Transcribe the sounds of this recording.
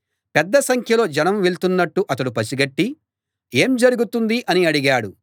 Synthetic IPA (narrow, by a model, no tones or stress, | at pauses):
pɛd̪ːɐsɐŋkʰjɐlo̞ːd͡ʒɐnɐmʋeɭt̪unːɐʈːuʔɐt̪̬ɐɽupɐsiɡɐʈːi | e̞ːmd͡ʒɐɾuɡut̪und̪iʔɐniɐɽiɡaːɽu